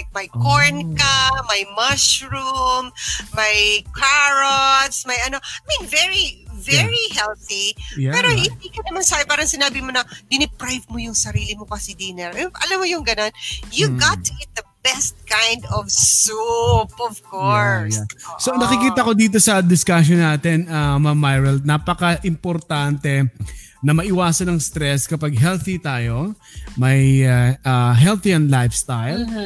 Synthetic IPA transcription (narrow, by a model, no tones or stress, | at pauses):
lajk̚mɐjkoɹnkɐmɐjmɐʃɹummɐjkʰaɹot̪smɐjʔɐnoajmĩnvɛɹivɛɹihɛlθiɛːɾohɪnd̪iːkɐnɐmansaːjopaːɾɐŋsɪnaːbɪmonɐd̪ɪnɪpɾajvmojʊŋsɐɾiːlɪmokɐsid̪iːnɛlʔʔɐlamːojʊŋɡɐno̞njuɡɑt̪ːɛt̪̚d̪ɐbɛst̪̚kajnd̪ɔvsupɔvkoɹssonɐkɪkiːt̪ɐko̞d̪iːt̪̬o̞sɐd̪ɪskaʃ̬jonaːt̪ɛnɐmamːajɹɐld̪̚naːpɐkɐʔɪmpoɾt̪ant̪ɛ | nɐmɐʔɪwaːsɐnɐŋst̪ɾɛskɐpaɡ̚ɦɛlθit̪aːjo̞ | mɐjɐɦɛlθiɛ̃nd̪lajfst̪ajl